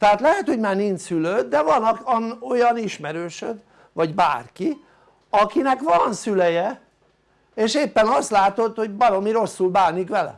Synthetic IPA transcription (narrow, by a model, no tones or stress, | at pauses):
t̪ɛɦaːt̪lɛɦɛt̪hoɟmaːrnint͡ʃsyløːd̪d̪ɛvɒnɒno̞jɒniʃmɛɾøːʃød̪ | ʋɒɟba̰ːrki | ɒkinɛkʋɒnsylɛjɛ | eːʃeːpːɛnɒst̪laːt̪o̞t̪ho̞ɟbɒlomiɾo̞sːulbaːnikʋɛlɛ̰